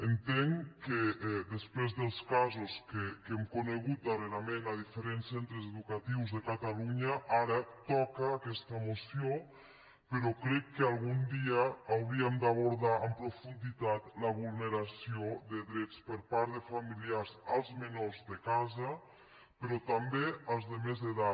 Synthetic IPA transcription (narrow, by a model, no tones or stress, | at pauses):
ent̪eŋked̪espɾezðelˠskazuskekemkoneɣ̞ut̪̚d̪areɾamenaðifeɾensːent̪ɾezeðukat̪iwzðekat̪aluɲaʔaɾat̪ɔkaːkɛst̪amosio | peɾɔkɾɛkːealˠɣund̪iaːwɾiəmd̪aβoɾðaəmpɾufund̪it̪at̪ləβulˠneɾasioðeðɾɛt͡spəɾpaɾðefamiliaɾzalˠzmenoɾzðekazɐ | peɾɔt̪ambeəlˠzðemezðeða